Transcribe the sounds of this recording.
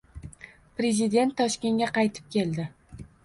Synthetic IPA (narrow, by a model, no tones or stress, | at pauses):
pɾe̞zɪd̪e̞nt̪ʰːɒʃkʲe̞ŋɡʲaqʰɑjt̪ʰɪ̥p̚kʲʰe̞lˠd̪ɪ